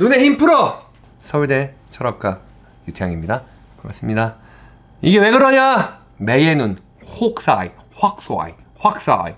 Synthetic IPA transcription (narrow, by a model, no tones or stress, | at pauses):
nune̞çimpʰɯɾʌ | sʰʌɥide̞ | t͡ɕʰʌɾʌk͈a | jutʰjaŋimɲida | pɯɾa̰s͈ɯmɲida | iɡe̞we̞ɡɯɾʌɲa | me̞je̞nɯn | hok̚s͈ai | ɸwak̚s͈oa̰i | ɸwak̚s͈a̰ji